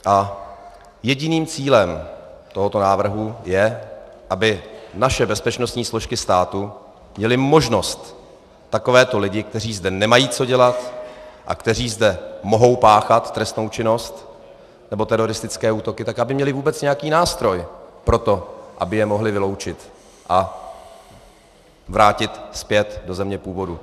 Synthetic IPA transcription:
ʔa | jɛɟɪniːmt͡siːlɛm | t̪oɦot̪o̞naːvr̩ɦujɛ | ʔabɪnaʃɛbɛspɛt͡ʃno̞st̪ɲiːslo̞ʃkɪst̪aːt̪u | mɲɛlɪmo̞ʒno̞st̪ː | ako̞vɛːt̪o̞lɪɟɪk̚t̪ɛr̝iːzdɛnɛmajiːt͡so̞ɟɛlat̪ʔa̰kt̪ɛr̝iːzdɛmo̞ɦo̞wpaːxat̪ːɾɛst̪no̞wt͡ʃɪno̞st̪ | nɛbot̪ɛɾo̞ɾɪst̪ɪt͡skɛːʔuːt̪o̞kɪt̪akʔabɪmɲɛlɪvuːbɛt͡sɲɛjakiːnaːst̪ɾo̞jpɾo̞t̪o̞ʔabɪjɛmo̞ɦlɪvɪlowt͡ʃɪt̪ | ʔa | vɾaːcɪt̪spjɛt̪do̞zɛmɲɛpuːvo̞du

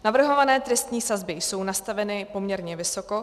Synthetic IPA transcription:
navr̩ɦo̞vanɛːt̪ɾɛst̪ɲiːsazbɪjso̞wnast̪avɛnɪpo̞mɲɛɾɲɛvɪso̞ko̞

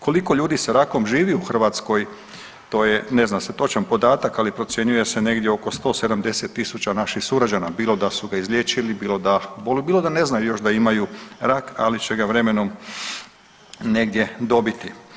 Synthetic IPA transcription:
ko̞liko̞ʎuːd̪isaɾako̞mʒiːʋiuxr̩ʋaːt̪sko̞j | t̪o̞ːje̞ne̞znaset̪o̞t͡ʃanpo̞d̪aːt̪akalipɾosje̞ɲuje̞se̞ne̞ɡd̪jeo̞ko̞st̪o̞ːse̞d̪amd̪e̞set̪ːisut͡ɕanaʃixsuɾad͡ʑanabiːlo̞d̪asuɡaizlʎʲje̞ːt͡ʃilibiːlo̞d̪abolubiːlo̞d̪ane̞znajujo̞ʃd̪aimajuɾaka̰lit͡ɕe̞ɡaʋɾe̞me̞no̞m | ne̞ɡd̪je̞d̪o̞bit̪i

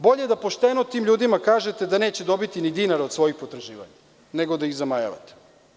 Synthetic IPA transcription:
bo̞ʎeed̪apo̞ʃt̪enot̪iːmʎuːd̪imakaːʒet̪ed̪ane̞ːt͡ɕed̪o̞bit̪inid̪inaɾosʋo̞jixpo̞t̪ɾaʒiːʋa̰ɲa | neɡod̪aiɣzamaja̰ʋa̰t̪e̥

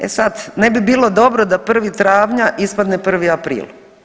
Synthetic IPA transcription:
ḛsad̪ne̞bibiːlˠo̞d̪o̞bɾod̪apr̩ʋit̪ɾaːʋɲaʔispad̪nepr̩ʋiapɾḭːlˠ

